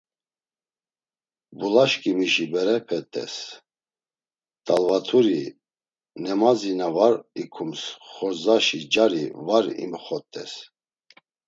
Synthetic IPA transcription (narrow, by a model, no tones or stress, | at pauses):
bulaʃkʼimiʃibɛɾɛpʰɛt̪ʼɛ̰s | t̪ʼalvat̪ʰuɾi | nɛmazinavaɾikʰumsχɔɾzaʃid͡ʒaɾivaɾḭmχɔt̪ʼɛ̰s